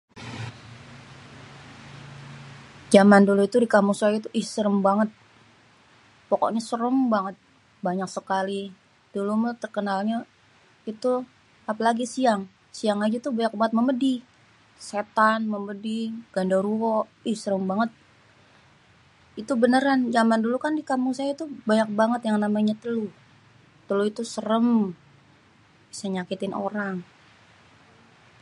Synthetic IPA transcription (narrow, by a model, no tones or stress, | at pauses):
d͡ʒamanduluit̪udikamuŋsait̪uʔisəɾəmbaŋət̪̚ | poko̰ʔɲasəɾəmbaŋət̪̚ | baɲak̚səkali | d̥ulumut̪ərkənalɲa | it̪u | apalaɡisiaŋ | siaŋad͡ʒat̪ubaɲak̚baŋət̪̚məmədi | set̪anməmədiɡ̥andaɾuɔʔɪhsəɾəmbaŋət̪̚ | it̪ubənəɾand͡ʒamandulukandikamuŋsajait̪ubaɲak̚baŋət̪jaŋnamaɲat̪əlu | t̪əluit̪usəɾəm | bisaɲakit̪ɪnʔo̰ɾaŋ